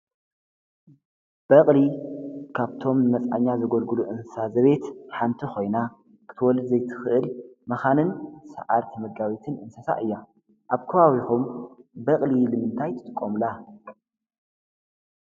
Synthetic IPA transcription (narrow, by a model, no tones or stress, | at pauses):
b̥ɐqʼlikʰaβt̪ʰo̞mnɨnɐt͡sʼa̰ɲːazɨɡolɡɨluʔɨnssazɐβe̞t̪ħant̪ʰixo̞jna | kʰɨ̥t̪ʰɨwɔlɨd̪zɐjt̪ʰɨ̥xɨʔɨlmɐxanɨnsɐ̰ʕaɾt̪ʰimɐɡawit̪ʰɨnʔɨnsɐsa̰ʔɨjːa | ʔaβkʰɐβawixumbɐqʼlilɨmɨnt̪ʰajt̪ʰɨ̥t̪ʼɨkʼːomla